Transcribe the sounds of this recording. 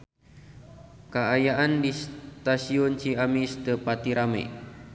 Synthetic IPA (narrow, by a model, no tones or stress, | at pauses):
kəajaʔandist̪asiɔnt͡ʃiamist̪əpat̪iɾamḛʔ